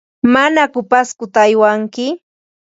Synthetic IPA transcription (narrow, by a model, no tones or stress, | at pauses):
manakʊpaskʊt̪aːjwaŋkɪ